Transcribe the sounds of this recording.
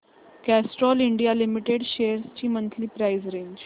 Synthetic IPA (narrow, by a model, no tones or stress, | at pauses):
kæsʈɾɔliɳɖijalimiʈeɽɕeəɾst͡ɕiːmənt̪liːpɾaizɾeɲd͡ʑ